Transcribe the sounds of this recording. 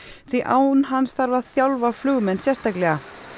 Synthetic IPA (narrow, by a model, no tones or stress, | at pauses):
θviʔaːwnɦansθaɾvaðθjawlvaflʏɣmɛnsjɛst̪aklɛɣa